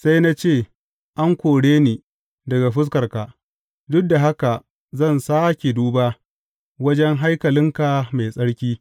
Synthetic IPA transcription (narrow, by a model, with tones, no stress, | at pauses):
sa˦jna˦t͡ʃeː˦˨ | ʔa˦ŋkʷoː˨ɽeː˦niː˨ | dɐ˨ɡa˨ɸɪ˦s̬kɐ˨rka˨ | dʊ˦k̚da˨ɦa˦ka˨ | zɐ˦˨nsaː˦kʲe˨duː˦baː˦ | wɐ˦d͡ʒɛ˦ŋɦa˦jkɐ˨lɪ˦ŋka˨ma˨jsʼɐ˦ɽkʲiː˦